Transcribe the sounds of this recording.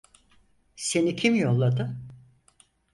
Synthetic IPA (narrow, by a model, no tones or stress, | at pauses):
se̞nicʰimjo̞lˠːad̪ɯ